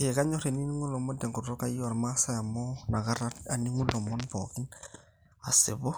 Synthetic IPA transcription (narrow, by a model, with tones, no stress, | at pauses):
e˨ka˦ɲɔ˦ɾe˨ni˦ni˦ŋʊ˦lɔ˨mɔ˦ntɛ˨ŋɡʊ˨ɾɔ˦ka˦i˦ɔ˦˨rmasa˦ja˨mɔ˦na˨ka˦ɾa˦a˨ni˦ŋu˦lɔ˨mɔ˦npɔ̰˨kɪ˦n | a˨sɪ˨βɔ˦